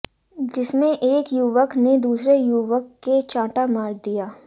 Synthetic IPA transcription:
d͡ʒɪsmẽʔeːkjuʋəkned̪uːsɾejuʋəkːet͡ʃãːʈamaːɾd̪ijaː

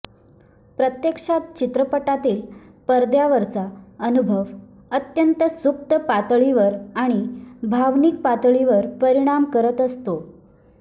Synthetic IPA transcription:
pɾət̪jekʂat̪̚t͡ɕit̪ɾəpəʈat̪iːl | pəɾd̪jaʋəɾt͡saənubʱəʋ | ət̪jənt̪əsuk̚t̪əpat̪ɭiʋəɾaɽ̃ibʱaʋnik̚pat̪ɭiʋəɾpəɾiɽ̃amkəɾət̪əst̪o

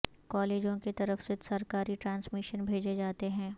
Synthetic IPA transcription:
kɔːleːd͡ʒõket̪ɐɾəfsesɐɾkaːɾiʈɾãːnsmɪʃənbʱeːd͡ʒed͡ʒaːt̪eɦɛ̃ː

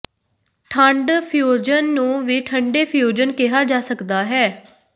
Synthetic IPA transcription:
ʈʰəɳɖpʰjoːd͡ʒənːũːʋiːʈʰəɳɖeːpʰjoːd͡ʒənkɪɦaːd͡ʒaːsəkd̪aːɦɛː

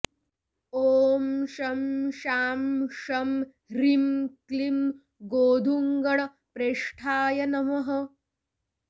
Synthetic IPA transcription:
oːmʃɐmʃaːmʃɐm | ɾimklim | ɡoːd̪ʱuŋɡɐɭɐ | pɾeːʂʈʰaːjɐnɐmɐɦɐ̆

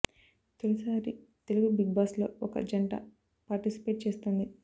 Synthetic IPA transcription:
t̪olusaːɾit̪e̞luɡubiɡ̚baːslo̞̰ːɔkɐ̰d͡ʒɐɳɖa̰ | paːɾʈisi̥pe̞ːʈ̚t͡ʃe̞ːst̪uːnd̪i

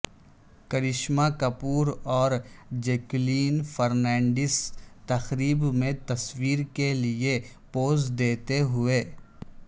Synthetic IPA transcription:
kɐɾɪʃmakɐpuːɾɔːɾd͡ʒeːkliːnfʰɐɾnɛ̃ːɳɖɪst̪ɐxɾiːbmẽt̪ɐswiːɾkeliepoːzd̪eːt̪eɦʊeː

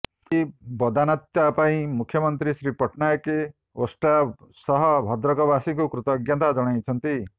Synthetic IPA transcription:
kibɔd̪anat̪japaĩmukʰjɔmɔnt̪ɾisɾipɔʈʰnajɔke | osʈasɔɦɔbʱɔd̪ɾɔkɔbasiŋkukɾut̪ɔɡjant̪ad͡ʒɔɽ̃ajt͡ʃʰɔnt̪i

